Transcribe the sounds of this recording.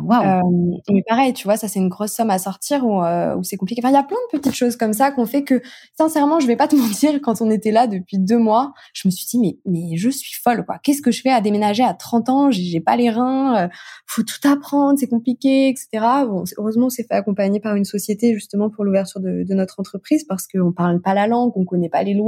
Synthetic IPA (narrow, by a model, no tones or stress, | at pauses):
waømmɛpaʁɛjt̪yvwasasɛt̪ynɡʁɔsːɔmasɔʁt̪iʁuø̰usɛkɔ̃plikeɑ̃fɛ̃iljaplɛ̃d̪əpət̪it̪ʃozkɔmsakɔ̃fɛkəsɛ̃sɛʁmɑ̃ʒəvɛpat̪əmɑ̃t̪iʁkɑ̃t̪ɔ̃net̪ɛlad̪əpɥid̪ømwa | ʒ̥əməsɥid̪imɛmɛʒəsɥi̥fɔlkwa̰kʲɛsə̥kəʒəfɛad̪emenaʒeat̪χɑ̃t̪ɑ̃ʒeʒɛpaleʁɛ̃øifot̪u̥t̪apχɑ̃d̪ʁsɛkɔ̃plikʲeɛkse̥t̪eʁabɔ̃søʁøzmɑ̃sɛfɛakɔ̃paɲepaʁynsɔsjet̪eʒyst̪əmɑ̃puʁluvɛʁt̪yʁd̪əd̪ənɔt̪χɑ̃t̪χəpχizpaʁsə̥kəɔ̃paʁlpalalɑ̃ɡɔ̃kɔnɛpa̰lelw